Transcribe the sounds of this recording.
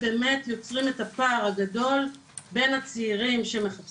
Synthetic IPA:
be̞ːme̞tjo̞t͡sʁime̞thapaːʁhaɡado̞l | be̞nhat͡siːʁimʃeme̞χap

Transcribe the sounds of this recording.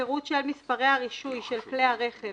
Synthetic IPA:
eʁut̪ʃelmispaʁejaʁiʃujʃelkleaʁe̞χe

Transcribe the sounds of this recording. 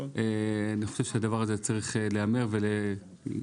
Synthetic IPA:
eaniχoʃevʃead̪avaʁazet͡saʁiχeleame̞ʁvele

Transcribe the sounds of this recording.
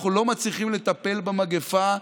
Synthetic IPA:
χulo̞mat͡sliχimle̞t̪ape̞lbamaɡefa

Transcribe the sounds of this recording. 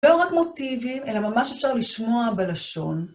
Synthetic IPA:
loʁakmo̞t̪ivime̞lamamaʃefʃaʁliʃmo̞abelaʃo̞n

